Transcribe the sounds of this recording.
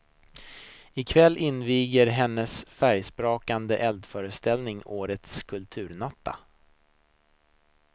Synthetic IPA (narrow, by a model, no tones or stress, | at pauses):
ɪkʰvɛlːʔɪnviːɡəɾɦɛnːəsfæɾjspɾoːkand̪əʔɛld̪fœːɾəst̪ɛlnɪŋoːɾət̪skʰɵlt̪ʰʉ̟ːɾnat̪ʰːa̰